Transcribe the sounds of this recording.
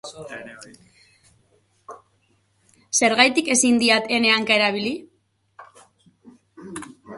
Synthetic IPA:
se̞ɾɣajt̪ike̞sind̪iat̪e̞ne̞aŋkaeɾaβ̞ili

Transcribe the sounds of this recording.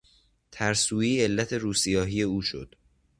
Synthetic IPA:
t̪ʰæɾsuːiːe̞lːæt̪ʰe̞ɾuːsijɒːɦiːje̞uːʃo̞̰d̪̥

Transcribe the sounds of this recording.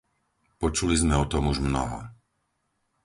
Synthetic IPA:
pɔt͡ʃulizmɛɔt̪ɔmuʒmnɔ̰ɦɔ̰

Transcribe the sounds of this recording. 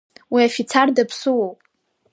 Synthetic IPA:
wiafit͡sʰardapʰsuwopʼ

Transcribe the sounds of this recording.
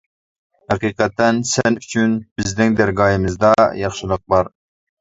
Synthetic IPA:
hæqiːqɛt̪ʰːɛnsɛnyt͡ʃʰynb̥ɪznɪŋd̪æɾɡɑːjɪmɨzd̪ɑjɑχʃɪlˠəq̚bɑɾ

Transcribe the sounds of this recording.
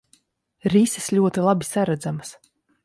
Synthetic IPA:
ɾisislʲuɔt̪ilˠabisaɾad̪zamas

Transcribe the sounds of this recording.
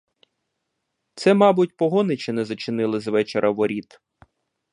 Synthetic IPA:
t̪sɛmɑbʊtʲpɔɦɔnɪt͡ʃinɛzɐt͡ʃɪnɪlˠɪzʋɛt͡ʃeɾʔɐʋɔɾʲit̪

